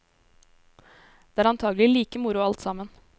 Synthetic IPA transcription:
d̪̥ɛːæːɾɑnt̪ʰɑːɡl̩ɪliːkəmʊɾʊɑlt̪sɑmən

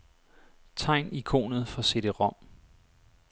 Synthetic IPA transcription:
t͡sʰɑ̈ɪ̰nikʰo̝̰ːnð̩ˠfɒ̽se̝ɾ̥əʁɒ̽m̰

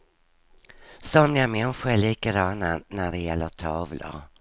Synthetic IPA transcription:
sɔmjamɛnɧəɾæɭiːkad̪ɑnːanæɖɛjɛlːəɾt̪ʰɑːvlə̰ɾ

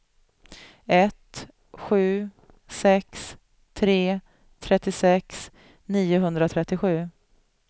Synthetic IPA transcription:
ɛt̪ | ɧʉ̟ː | sɛks | t̪ʰɾeː | t̪ʰɾɛt̪ːɪsɛks | niːʊɦɵnd̪ɾat̪ʰɾɛt̪ːɪɧʉ̟ː

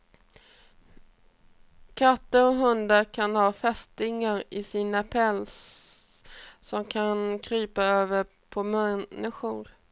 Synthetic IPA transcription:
kʰat̪ːəɾɔɦɵnd̪aɾkʰanhɑːfɛst̪ɪŋaɾɪsiːnapʰɛls | ɔmkʰankʰɾyːpaøːvəɾ | pʰɔmɛɪɧʊɾ

